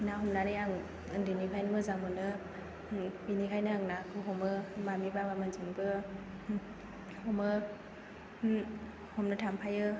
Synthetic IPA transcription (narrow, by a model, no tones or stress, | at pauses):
naɦɔmnanɯjaŋ | dɯnikʰajnɯmɯzamɯnɯ | binikʰajnɯaŋnakʰɯɦɔmɯmamibabamanzɯŋbɯ | hɔmɯ | hɔmnɯtʰampʰajɯ